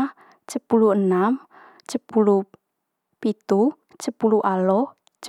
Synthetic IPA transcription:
t͡ʃəpuluənam | t͡ʃəpulu | pit̪u | t͡ʃəpuluʔalɔ | t͡ʃ

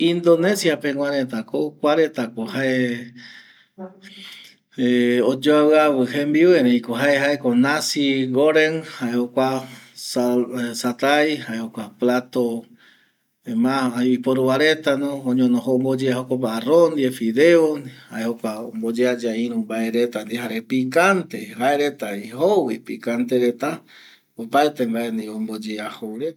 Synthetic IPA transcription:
ind̪onẽ̞sjapeŋw̃ãɾet̪akokʷaɾet̪akohaʔe | eod͡ʒoawɨawɨhembiweɾeĩkoɦaeɦaekonasiɡoɾenhaehokʷa | sat̪ajhaehokʷaplat̪o | emaipoɾuwaɾet̪anoõɲõnõɦombod͡ʒeahokopaarond̪iefiðeohaʔehokʷaombod͡ʒead͡ʒaiɾũmbaeɾet̪and̪iɦaɾepikant̪ehaeɾet̪aihowipikant̪eɾe̞t̪a | opaet̪embaend̪iombod͡ʒeahowɾe

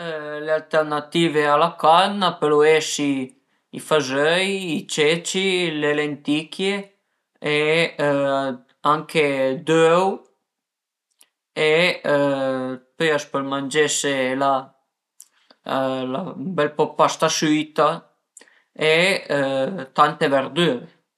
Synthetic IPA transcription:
lealt̪ɛɾnat̪iːvealakanːapeɾɔesi | ḭfazøjit͡ʃɛt͡ʃilelent̪ikʰje | e | aŋkʰed̪øw | e | pøjaspɛlmand͡ʒɛsela | labɛlpɔpːast̪asit̪a | e | t̪ant̪eveɾd̪yːɾe

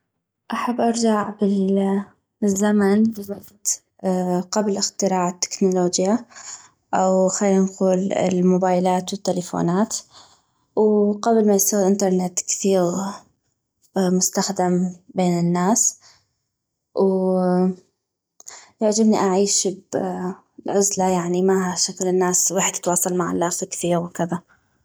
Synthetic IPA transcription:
ʔaħabːʔɑɾˤd͡ʒaʕbɪl | ɪzːamanbɪwɑɡt̪ | qablʔɪxt̪ɪɾaːʕɪt̪ːɪ̥knʊloːd͡ʒja | ʔawxalːinquːlɪ̰lmʊbaːjlaːt̪wɪt̪ːɪlɪfo̰ːnaːt̪ | wqablmajɪst̪aɣɪlʔɪnt̪ɑɾˤnet̪kθiːɣ | mʊst̪axd̪ambeːnɪnːaːs | w | jaʕd͡ʒɪbniʔaʕiːʃb | ʕʊzlajaʕnimaɦaʃaklɪnːaːswaːħɪd̪jɪt̪wɑːsˤɑlmaʕa̰lːaːfɪkθiːɣwkɪða

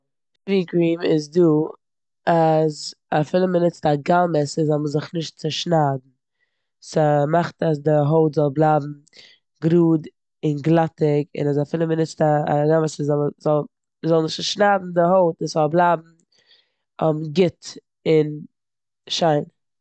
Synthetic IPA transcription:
viːkɾiːmɪzduː | azafɪlˠəmənɪt͡staɡaməsɪzɔlˠməzɪχnɪʃtt͡sɪʃnaːdn̩ | səmaχtas̬dɪɦoʊtzɔlˠblˠaːbm̩ | ɡɾuːd | ɪnɡlˠatɪkɪ̰nazafɪːlˠəmənɪt͡sta̰ɡaməszɔməzɔlˠ | əzɔlˠnɪʃtt͡sʃnadn̩dɪɦoʊtɪszɔlˠblˠabm̩ | ɔmɡɪt | ɪn | ʃaɪn

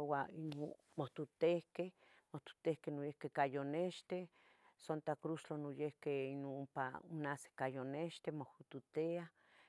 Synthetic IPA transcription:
wain | moht̪ut̪ehkeh | moht̪u̥t̪ehkenojehkehkajoneʃt̪e | sont̪akɾuʃt͡ɬonojehkeinumpa̰ṵnase̥kajoneʃt̪emohut̪ut̪ea

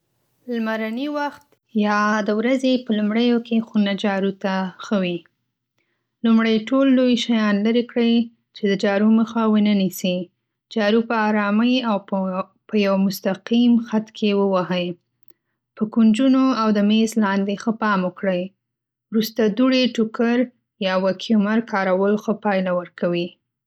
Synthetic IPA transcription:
lmaɾaniwaxt̪ | jɑd̪əwɾazepəlumɽəjokexunad͡ʒɑɾut̪axəwi | lumɽəjʈolːojʃajɑnləɾekɽəj | t͡ʃed̪əd͡ʒɑɾuməxawənənisi | d͡ʒɑɾupəɑɾɑməjaw | pəjawmʊst̪aqimxat̪kʰewəwaɦəj | pəkund͡ʒunoawd̪əmezlɑnd̪exəpɑməkɽəj | wɾust̪ad̪uɽeʈʊkəɾ | jɑwakʰiumaɾkʰɑɾawəlxəpɑjlawəɾkawi

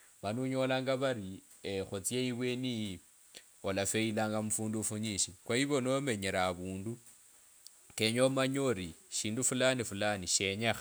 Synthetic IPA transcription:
manuɲo̞laːŋɡaβaɾi | exot͡sjeiβweniji | olafeilaːŋɡamufuːndufuɲiʃikwaiβo̞nome̞ɲeɾaːβuːndu | keɲomaɲoɾiʃiːndufulanifulaniʃeɲexa

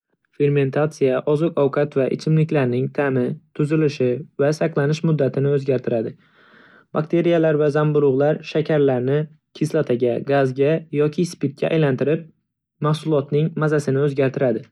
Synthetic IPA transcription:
fe̞ɾme̞nt̪ʰat̪sijaʔɒzʊqʰɒwqʰat̪vaʔɪ̰t͡ʃʰɪmlɪkʲlaɾnɪŋt̪ʰamɪt̪ʰʊzɪlɪʃɪvasaqlˠanɪʃmʊd̪ːat̪ʰɪnɪɵzɡʲaɾt̪ʰɪɾad̪ɪ | bakt̪ʰe̞ɾijalaɾvazambʊɾʊʁlˠaɾʃakʲʰaɾlaɾnɪ | kʲʰɪslˠat̪ʰaɡʲaɡazɡʲajɒkʲʰɪspit̪̚kʲːa̰ʔa̰jlant̪ɪɾɪp̚ | mahsʊlˠɒt̪nɪŋmazasɪnɪɵzɡʲaɾt̪ʰɪɾad̪ɪ

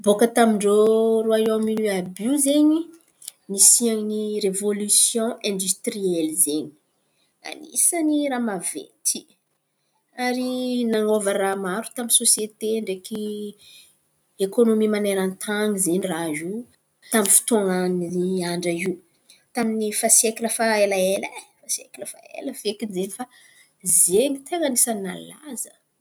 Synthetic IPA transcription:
bokət̪amiɳɖ͡ʐoɾuaominiabiuzeɲi | misianirevolysjɔ̃ʔɛ̃nd̪yst̪riɛlzeɲi̥ | a̰nḭsəniɾamavḛt̪ʰi̥ | aɾinaŋovaɾamaɾu̥t̪aminsosjet̪eɳɖ͡ʐeki | ekonomimaneɾant̪ʰaŋizeɲrazu | t̪aminfi̥t̪oŋaniiaɳɖ͡ʐaiw | t̪aminifasiekiləfaelaelafasiḛkiləfa̰ḛləvekinzenifa | zeɲit̪ʰeŋanisanna̰la̰zə

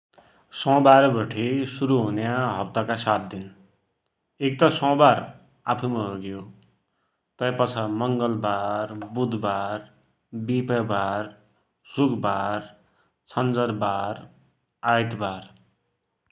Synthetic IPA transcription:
sʌ̃baɾbʌʈʰesuɾuɦunjaɦʌp̚t̪akasat̪̚d̪in | ek̚t̪ʌsʌ̃bar | apʰumaɦoɡjo | t̪ʌjpʌt͡sʰʌmʌŋɡʌlbarbud̪ʱbar | bipʌbar | sukʰbar | t͡sʰʌnd͡zʌrbaɾ | ajt̪bar

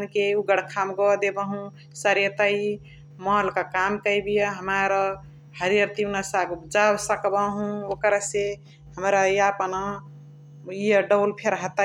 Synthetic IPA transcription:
nkeuɡəɽkʰamɡɔd̪ebəɦũ | səɾjət̪ai | mɔɦlkakamkəjbijəɦəmaɾ | həɾijəɾt̪inasaɡd͡ʒabsəkbaɦũokɾase | həmɾajapənɔ | iəɖəlpʰeɾɦat̪a

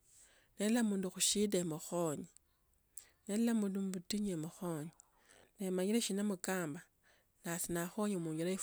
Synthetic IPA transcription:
nelamuːnduxuʃidemuxoɲi | nellamuːndumbutiɲemuxoɲi | nemaɲileʃinamukaːmba | nasinaxoɲimuːɲɡilaif

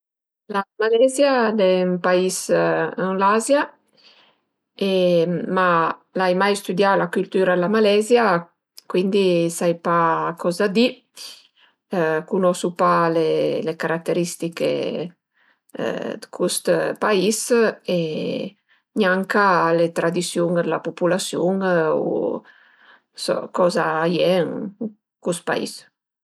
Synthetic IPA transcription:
lamalɛzjad̪ɛmpaisəŋlazja | emalajmajst̪ud̪jalakylt̪yːɾalamalɛzja | kwind̪isajpakɔzad̪i | kunɔsupalelekaɾat̪ːeɾist̪ikḛ | d̪kʰust̪paise | ɲaŋkalet̪ɾad̪isjuŋd̪lapupulasjuŋṵ | sɔ̰kɔzaːjɛŋ | kust̪̚pa̰ḭs

